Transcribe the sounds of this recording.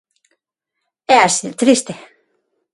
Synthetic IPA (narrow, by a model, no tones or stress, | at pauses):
easit̪ɾist̪e